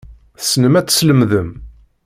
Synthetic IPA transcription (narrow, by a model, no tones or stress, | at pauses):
θə̥snəmæt͡sːsləmðəm